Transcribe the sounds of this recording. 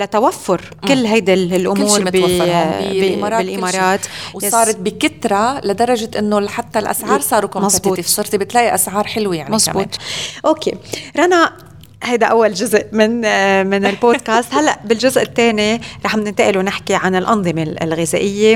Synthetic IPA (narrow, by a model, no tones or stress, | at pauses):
lat̪awafːʊɾ | kɪlːɦajd̪alʔʊmuːɾb | mɾˤbɪlʔɪmɑːɾˤɑːt̪wsˤɑːɾˤɑt̪̚bikɪt̪ɾˤɑlad̪ɑɾˤɑʒɪʔɪnːoħat̪ːalʔa̰sʕɑːɾsˤɑːɾukomɑsbuːifisˤʊɾt̪ibɪt̪laːʔiʔasʕɑːɾˤħɪlwijaʕmɑsbuːt̪ʔoːkḛɾˤɑna | hajd̪aʔawːalʒʊzʔmɪnmɪnɪlboːd̪̚kaːst̪halːaʔbɪlʒʊzʔɪt̪ːeːniɾˤɑːħbnɪnt̪aʔɪlunɪħkiʕanɪlʔɑnðˤɨmḛlɣɪzaːʔɪjːe